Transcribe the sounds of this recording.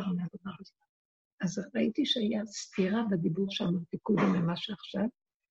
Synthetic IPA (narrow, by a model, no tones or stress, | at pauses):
vnadomaʁ | azʁait̪iʃeajast̪iʁabed̪ibuʁʃeamaʁt̪ikubimemaʃeaχʃav